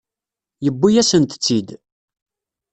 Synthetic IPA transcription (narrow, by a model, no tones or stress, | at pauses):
jəbːijæsənt̪t͡sːid̪